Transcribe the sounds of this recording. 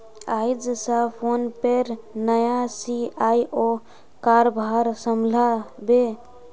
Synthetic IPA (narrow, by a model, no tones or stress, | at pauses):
ajd͡ʒsəpʰonpeɾnəjasiajʔo | kaɾbʱaɾsəmlabe